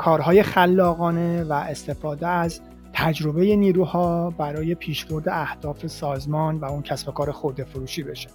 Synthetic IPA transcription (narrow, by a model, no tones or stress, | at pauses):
kʰɒːɾɦɒːje̞xælːɒːɣɒːne̞væʔest̪ʰe̞fɒːd̪eæz | t̪ʰæd͡ʒɾo̞be̞je̞niːɾuːhɒːbæɾɒːje̞pʰiːʃb̥o̞ɾd̪e̞æhd̪̥ɒːfe̞sɒːzmɒːnvæuncʰæsbo̞kʰɒːɾexoɾd̪e̞foɾuːʃiːbe̞ʃe